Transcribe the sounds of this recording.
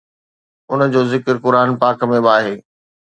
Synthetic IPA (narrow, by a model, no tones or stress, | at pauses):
ʊn̆d͡ʑoːzɪkəɾkʊɾaːnpaːkmẽbaːɦeː